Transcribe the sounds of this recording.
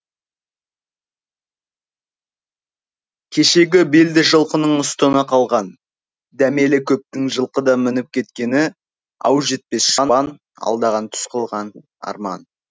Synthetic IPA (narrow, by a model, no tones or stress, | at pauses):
kʲʰe̞ʃe̞ɡʲɪbeld̪ɪʒəlˠqənəɴʊst̪ənəqʰɑlˠʁɑn | d̪æme̞lɪkʲʰɵp̚t̪ɪŋʒəlˠqəd̪ɑmɪnɪp̚kʲʰe̞t̪kʲe̞nɪ | ɑ̰wʒe̞t̪̚pe̞sʃɑɑn | ɑ̰lˠd̪ɑʁɑnt̪ʰʏ̥sqʰəlˠʁɑn | ɑ̰ɾmɑ̰n